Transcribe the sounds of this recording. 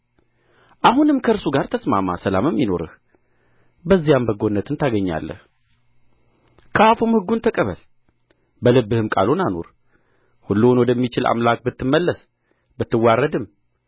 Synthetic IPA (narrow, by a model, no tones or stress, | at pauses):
ʔaɦunɨmkʰəɨɾsuɡaɾt̪ʰəsmama̰səla̰mɨmjɪno̞̰ɾɨ̰h | bəzːijambəɡo̞nːət̪ʰɨnt̪ʰaɡəɲːa̰lːə̰h | kʰəafumhɨɡːunt̪ʰəkʼəβə̰l | bəlɨbːɨhɨmkʼa̰lonano̞̰ɾ | hulːunwɔd̪əmːit͡ʃɪlʔa̰mlak̚ʼbɨt̪ːɨmːəlːəs | bɨt̪ːɨwːarːəd̪ɨm